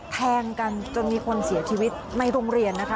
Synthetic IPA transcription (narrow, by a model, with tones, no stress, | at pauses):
p̪ʰɛː˧ŋka˧nt͡ɕo˧nmiː˧kʰo˧nsi˩˦ɐt͡ɕʰiː˧wi˦˥t̪̚na˧jɾoː˧ŋɾi˧˩ənːa˦˥kʰa˦˥